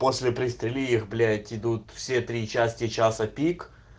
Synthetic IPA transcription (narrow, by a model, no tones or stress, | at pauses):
po̞sʲlʲɪpɾʲɪst̪ɾʲɪlʲiixblʲætʲɪd̪ut̪fsʲet̪ɾʲit͡ɕæsʲtʲɪt͡ɕasəpʲik